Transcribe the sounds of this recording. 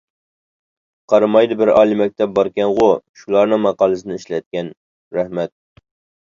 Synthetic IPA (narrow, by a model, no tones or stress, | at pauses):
qʰɑɾɨmɑjd̪ɨbɪɾɑ̰ːlˠɨmɛk̚ʲt̪ʰɛp̚bɑɾkʲɛnʁʊʃulˠɑɾnɨŋmɑqɑːlˠɨsɨnɨɪʃlɛt̪̚kʲɛn | ɾɛhmɛt̪̚